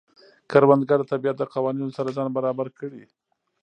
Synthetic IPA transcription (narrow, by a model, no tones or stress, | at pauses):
kaɾwand̪ɡad̪ət̪abijat̪̚d̪əqawɑninosaɾazɑnbaɾɑbaɾkəɽi